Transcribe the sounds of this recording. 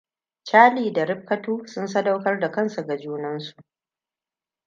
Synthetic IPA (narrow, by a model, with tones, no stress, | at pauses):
t͡ʃaː˦liː˨da˨ɾɪ˦ɸ̚kːɐ˦tuː˦sʊ˦nsɐ˦da˦wkɐ˦rda˨kɐ˦nsa˨ɡa˨d͡ʒuː˦nɐ˦nsu̥˨ʔ